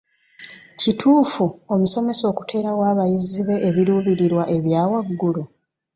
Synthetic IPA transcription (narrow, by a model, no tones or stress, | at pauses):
citʰuːfuo̞muso̞me̞so̞ːku̥tʰe̞ːɾawaːβajiziβe̞ʔːβiɾuːβiɾiɾwaʔe̞βjaːwaɡːulu